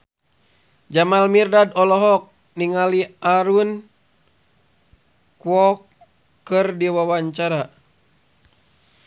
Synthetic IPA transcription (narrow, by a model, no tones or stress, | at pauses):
d͡ʒamalmirdadɔlɔɦɔk̚ | niŋaliaɾun | kwɔkː | ɨrdiwawaɲt͡ʃaɾa